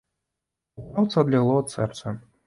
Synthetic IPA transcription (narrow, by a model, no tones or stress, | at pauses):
awt̪sɐɐd̪lʲaɣlˠɔɐt̪sɛrt̪sɛ